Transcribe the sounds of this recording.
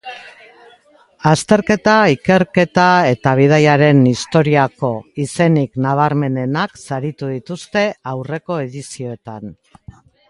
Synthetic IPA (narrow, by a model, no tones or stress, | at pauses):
ast̪e̞ɾke̞t̪aike̞ɾke̞t̪ae̞t̪aβ̞ið̞ajaɾe̞nist̪o̞ɾiako̞ise̞niknaβ̞aɾme̞ne̞naksaɾit̪uðit̪ust̪e̞awre̞ko̞e̞ðisio̞e̞t̪an